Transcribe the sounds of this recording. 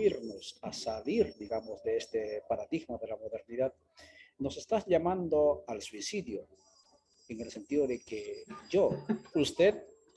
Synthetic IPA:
iɾno̞sasaliɾd̪iɣamo̞zðe̞est̪epaɾaðiɣmoðe̞lamo̞ðe̞ɾniðað | no̞se̞st̪azʎamãnd̪o̞alswisiðjo | eŋe̞lse̞nt̪iðoðe̞keʝoust̪e̞ð

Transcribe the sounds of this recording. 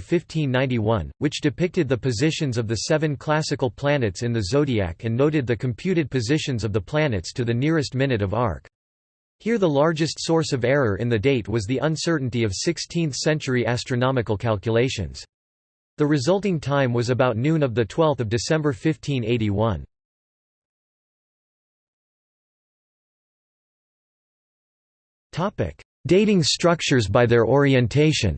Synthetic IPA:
fɪftʰĩnːãɪ̃ntiwʌ̃nwɨt͡ʃd̥ɨpɪk̚tɨd̪̚ðɨpɨzɪʃɨ̃nzʌvðɨsɛvɨ̃nkʰl̥æsɨkl̩ˠpʰl̥ænɨtsɨ̃nðɨzoʊɾiæ̰kɨ̃nːoʊɾɨd̪̚ðɨkʰɨ̃m̩pʰj̥ʉɾɨd̚pʰɨzɪʃɨ̃nzʌvðəpʰl̥ænɨtstʰɨðɨnɪɹɨst̚mɪ̃nɨɾʌvɑ̰ɹk | hiɹðəlɑɹd͡ʒɨstsɔɹsʌvɛɹə˞ʔɨ̰̃nðɨdeɪt̚wʌzðiʔə̃nsɜ˞ʔn̩tiʌv̥sɪkstʰĩnθsɛ̃nt͡ʃə˞iʔæstɹ̥ɨnɑmɨkl̩ˠkʰælˠkjɨleɪʃɨ̰̃nz̥ | ðɨɹɨzʌlˠtɪ̃ŋtʰãɪ̃mwʌzɨbaʊtⁿnʉ̃nʌvðɨtʰw̥ɛlˠθʌvdɨsɛ̃mbə˞fɪftʰĩneɪɾiwʌ̃n | tʰɑpɪ̰k | d̥eɪɾɪ̃ŋstɹ̥ʌk̚t͡ʃə˞zbaɪðə˞ʔɔɹiɨ̃ntʰeɪʃɨ̰̃n

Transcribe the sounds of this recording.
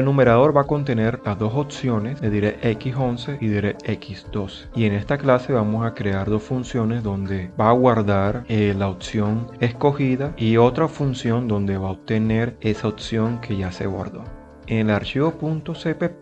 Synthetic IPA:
nũme̞ɾaðo̞ɾβako̞nt̪e̞ne̞ɾlazðo̞sopsjo̞ne̞sd̪eðiɾeʔekiso̞nse̞ʔiðiɾeekisd̪o̞se̥ie̞ŋe̞st̪aklase̞βamo̞sakɾe̞aɾðo̞sfunsjo̞ne̞sðo̞nd̪e̞baːɣwaɾðaɾelaopsjo̞ŋe̞sko̞xiðaio̞t̪ɾafunsjo̞nd̪o̞nd̪e̞βaop̚t̪e̞ne̞ɾe̞saopsjo̞ŋkʰe̞ʝase̞̰ɣwa̰ɾðo̞ | eŋlaɾt͡ʃiβo̞punt̪osepe

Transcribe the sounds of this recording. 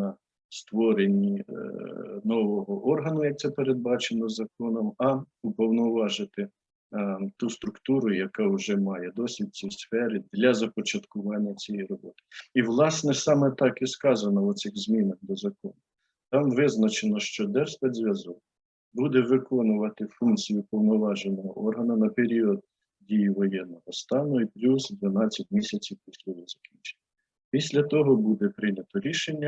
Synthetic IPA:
ɐ | st̪ʋɔɾenʲːi | nɔʋɔɦɔʔɔrɦɐnʊjɐk̚t̪sɛpeɾed̪̚bɑt͡ʃenɔzɐkɔnɔmɐ | upɔwnɔʋɑʒɪt̪ɪ | t̪ust̪ɾʊkt̪uɾʊjɐkɑʊʒɛmɑjɛd̪ɔsʲʋʲid̚ʲt͡sʲisfɛɾɪd̪lʲɐzɐpɔt͡ʃɐt̪kʊʋɑnʲːɐt͡sʲijɛjrɔbɔt̪ɪ̥iʋlˠɑsnɛsɑmɛt̪ɑkiskɑzɐnɔɔsɪɣzmʲinɐxd̪ɔzɐkɔnʊ | t̪ɑmʋɪznɐt͡ʃenɔʃt͡ʃɔd̪ɛrspɛd̪ʲzʲʋʲjɐzɔk̚ | bud̪ɛʋɪkɔnʊʋɐt̪ɪfunkt͡sʲijʊpɔwnɔʋɑʒenːɔɦɔʔɔrɦɐnɐnɐpeɾʲiɔd̪̚ | dʲijiʋɔjɛnːɔɦɔst̪ɑnʊiplʲusd̪ʋɐnɑt͡sʲːɐtʲmʲisʲɐt͡sʲiwpɔsʲlʲɔɦɔzɐkʲinʲt͡ʃe̥nʲːɐ | pʲisʲlʲɐt̪ɔɦɔbud̪ɛpɾɪnʲɐt̪ɔɾʲiʃenʲːɐ

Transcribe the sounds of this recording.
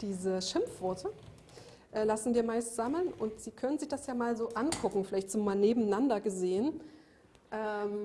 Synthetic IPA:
d̥iːzəʃɪmfv̥ɔɐtʰə | ʔɛːlasn̩viːɐmaɪstz̥aml̩nʔʊntz̥iːkʰœnənzɪçd̥asjaːmaːlzoːʔankʰʊkŋ̩fɪlaɪçtz̥oːmaːlneːbm̩nandɐɡəzeːən | ʔɛːm

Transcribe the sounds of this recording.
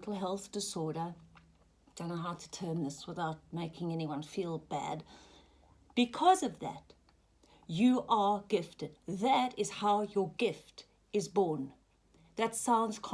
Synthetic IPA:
tʰˡl̩ˠɦɛlˠθd̥ɨsɔɹɾə˞ | d̥õʊñoʊɦaʊtʰə̥tʰɜ̃˞nðɪswəθðaʊt̚meɪkʰɪ̃ŋɛniwʌ̃nfilˠbæ̰d | b̥ɨkʰʌzʌvðɨ̰t | ɨʔə˞ɡɪftɨd̪̚ðɨɾɨz̥haʊjə˞ɡɪft | ɨzbɔɹn | ðɨtsãʊ̃ndz̥kʰ

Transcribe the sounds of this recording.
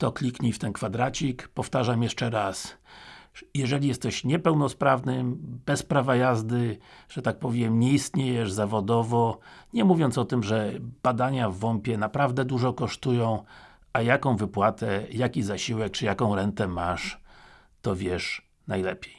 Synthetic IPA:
t̪ɔklʲikɲift̪ɛnkfad̪ɾat͡ɕikpɔft̪aʐamjɛʂt͡ʂɛɾas | jɛʐɛlʲijɛst̪ɛɕɲɛpɛwnɔspɾavnɘb̥ɛspɾavajazd̪ɘʐ̥ɛt̪ak̚pɔvʲjɛmɲɛist̪ɲejɛʐzavɔd̪ɔvɔɲɛmuvʲjɔnt̪sɔt̪ɘmʐɛbad̪aɲavːɔmpʲjɛnapɾavd̪ɛd̪uʐɔkɔʂt̪ujɔ̃w̃ | ʔajakɔ̃w̃vɘpwat̪ɛjakʲizaɕiwɛk̚t͡ʂɘjakɔ̃w̃ɾɛnt̪ɛmaʂ | t̪ɔvʲjɛʂ | najlɛ̰pʲjej

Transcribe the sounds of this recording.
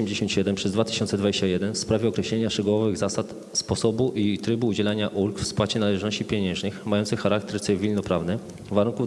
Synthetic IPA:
ɛmd͡ʑeɕɔnt̪ɕɛd̪ɛmpʂɛzd̪vat̪ɘ̥ɕɔnt̪sɛd̪vad͡ʑeɕt͡ɕajɛd̪ɛnfspɾavʲɛɔkɾɛɕlɛɲaʂt͡ʂɛɡuwɔvɘɣzasat̪ | spɔsɔbuʔit̪ɾɘbuːd͡ʑɛlaɲaʔulkfspwat͡ɕɛnalɛʐnɔɕt͡ɕipʲjeɲɛ̃ʐɲɘxmajɔnt̪sɘxxaɾak̚t̪ɛɾt̪sɘvʲilnɔpɾavnɘ | vaɾuŋku

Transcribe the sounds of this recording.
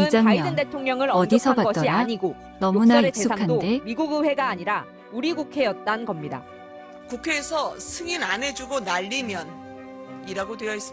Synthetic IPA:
id͡ʑaŋaijʌdɯndetʰoŋɲʌŋɯɾʌdisʰʌbaʌdʌnaɲiɡo | nʌmunaek̚es͈uakʰadde̞miɡuɡɯɸe̞ɡaːɲiɾa | uɾiɡukʰe̞jʌt̚t͈annɡʌmɲida̰ | kukʰe̞ːsʰʌsʰɯŋinanɦe̞d͡ʑuɡonaʎːimjʌn | iɾaɡodwe̞jʌis͈ɯ

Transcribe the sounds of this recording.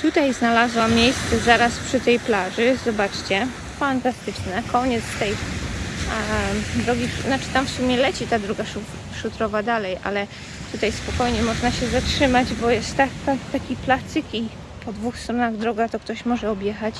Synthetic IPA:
t̪ut̪ajznalazwamːjejst̪sɛzaɾaspʂɘt̪ɛjplaʐɘzɔbat͡ʂt͡ɕɛ | fant̪ast̪ɘt͡ʂnɛkʰɔɲɛt̪st̪ɛj | d̪ɾɔɡʲinat͡ʂɨ̥t̪amfsumʲjɛlɛt͡ɕit̪ad̪ɾɔɡaʂu | ʂut̪ɾɔvad̪alɛjʔa̰lɛ | t̪ut̪ajspɔkɔjɲɛmɔʐnaɕɛzatʂɘmad͡ʑbɔjɛst̪ːak̪at̪akʲiplast̪ɘki | pɔd̪vuxst̪ɾɔnaɣd̪ɾɔɡat̪ɔkt̪ɔɕmɔʐɛɔbʲjɛxat͡ɕ

